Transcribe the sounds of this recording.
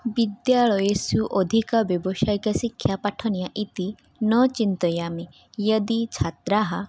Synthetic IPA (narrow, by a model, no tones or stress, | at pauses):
bid̪jaɭɔjesuʔɔd̪ʱikɔbjɔbɔʃajkasikʰjapaʈʰɔnijaʔit̪i | nɔt͡ʃint̪ɔjami | jəd̪it͡ʃʰat̪ɾaɦa